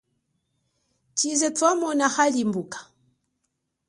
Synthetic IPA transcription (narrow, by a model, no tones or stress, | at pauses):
t͡ʃizɛtwamɔnahalimbukḁ